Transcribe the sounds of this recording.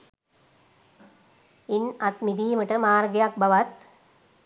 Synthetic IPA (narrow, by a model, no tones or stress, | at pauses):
inɐt̪mid̪iːmɐʈɐmaːɾɡɐjak̚bɐʋɐt̪̚